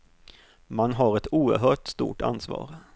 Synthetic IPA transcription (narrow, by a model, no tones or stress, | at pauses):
manɦaɾɛt̪ʰuːəɾɦœːʈst̪ṵːʈa̰nsvɑ̰ːɾ